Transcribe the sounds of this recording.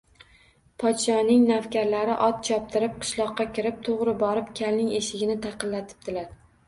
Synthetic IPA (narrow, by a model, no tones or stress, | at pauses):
pʰɒt̪ʃɒnɪŋnafkʲaɾlaɾɪʔɒt̪̚t͡ʃʰɒp̚t̪ʰɪɾɪp̚qʰɨ̥ʃlˠɒqːɑkʲʰɪɾɪp̚t̪ʰoʁɾɪbɒɾɪpkʲʰalnɪŋeʃɪɡʲɪnɪt̪ʰɑqʰɨlːat̪ʰɪ̥p̚d̪̥ɪlaɾ